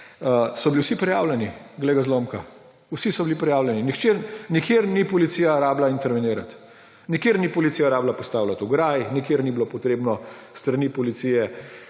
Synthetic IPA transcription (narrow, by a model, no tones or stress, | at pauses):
sɔbiliwsipɾɛjaːwlʲɛniɡlɛɡazloːmka | wsisɔbilipɾɛjaːwlʲɛninixt͡ʃeɾnikjeɾnipɔlit̪siːjaɾaːblaint̪ɛɾʋɛneːɾat̪ | nikjeːɾnipɔlit̪siːjaɾaːblapɔst̪aːwlat̪uɡɾaːjnikjeːɾnibilopɔt̪ɾeːbnɔst̪ɾanipɔlit̪siːjɛ